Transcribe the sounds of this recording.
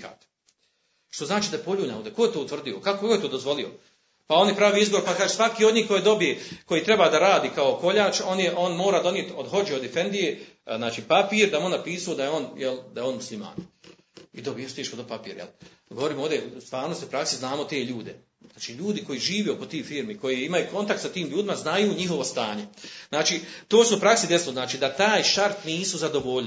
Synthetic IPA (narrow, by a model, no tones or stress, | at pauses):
ka̰t̪ | ʃt̪o̞znaːt͡ʃiːd̪ajepo̞ʎuːɲanoːd̪eko̞jt̪out̪ʋr̩d̪iokakokakoet̪oːd̪o̞zʋo̞lio̞̰ | pao̞njepɾaːʋiːizboɾpakaːʒesʋakiːo̞d̪ɲiːhko̞jed̪o̞bijeko̞jiːt̪ɾe̞baːd̪aɾaːd̪iːkao̞ko̞ʎaːt͡ʃo̞njeʔo̞nmo̞ːɾaːd̪o̞njet̪od̪ho̞d͡ʑeod̪ife̞nd̪ije | znaːt͡ʃiːpapiːɾd̪amonːapiːsuod̪ajeo̞njeld̪ajo̞ːnmuslima̰ːn | id̪obijest̪jeʃkod̪opapḭːɾjḛl | ɡo̞ʋo̞ɾiːmoːd̪eust̪ʋaːɾnoseupɾaksiznaːmot̪e̞ːʎuːd̪e̞ | zaːt͡ʃiːʎuːd̪iko̞iːʒiːʋeoko̞t̪iːfiːɾmiko̞jiimajuːko̞nt̪ak̚t̪sat̪iːmʎuːd̪imaznajuːɲiɦo̞ʋo̞st̪aːɲe̞znaːt͡ʃiːt̪oːsuupɾaksid̪e̞sloznaːt͡ʃiːd̪at̪aːjʃaɾt̪niːsuzad̪o̞ʋoʎ